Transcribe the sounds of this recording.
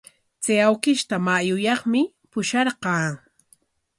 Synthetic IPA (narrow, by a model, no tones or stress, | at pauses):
t͡seawkɪʃt̪amajʊjɑχmɪ | pʊʃɑɾɢɑː